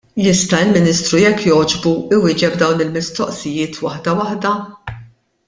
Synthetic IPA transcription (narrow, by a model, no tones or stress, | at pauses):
jɪst̪ɐɪlmɪniːst̪ɾujɛkːjɔːd͡ʒbuɪwɪːd͡ʒɛbd̪ɐwnɪlmɪst̪ɔʔsɪjɪːt̪wɐħd̪ɐwɐħd̪ɐ